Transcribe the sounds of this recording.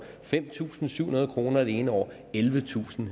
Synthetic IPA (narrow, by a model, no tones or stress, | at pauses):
fem̰t͡sʰṵːsn̩sy̰hunɐðˠkʰʁo̝ːnɐeɾee̝ːnəɒ̰ː | elʋət͡sʰṵːsn̩